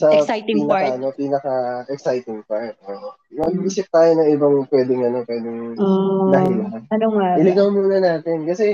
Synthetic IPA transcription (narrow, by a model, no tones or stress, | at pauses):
sɐpiːnɐkɐʔɐno̞piːnɐkɐʔɛksajt̪ɪŋpaɹt̪̚ʔoʔ | nɐɡiːsɪp̚t̪aːjonɐŋɪbɐŋpwɛːd̪ɛŋɐno̞pwɛːd̪ɪŋonɐhilɐɦɐnɐnoŋaʔɪlɪɡɐwmuːnɐnaːt̪ɪnkɐsɛ